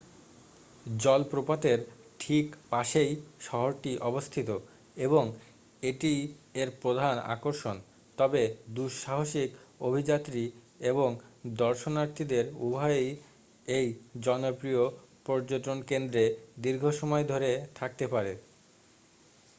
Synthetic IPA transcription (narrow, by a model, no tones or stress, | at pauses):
d͡ʑɔlpɾopat̪eɾʈʰikpaʃejʃɔɦoɾʈiʔɔbost̪ʰit̪o | eboŋ | eʈieɾpɾod̪ʱana̰koɾʃon | t̪ɔbed̪uʃʃaɦoʃikobʱid͡ʑat̪ːɾi | eboŋd̪ɔɾʃonaɾt̪ʰid̪eɾubʱaej | ejd͡ʑɔnopɾiopɔɾd͡ʑoʈ̪onkend̪ɾed̪iɾɡʱoʃɔmɔed̪ʱoɾet̪ʰak̚t̪epaɾe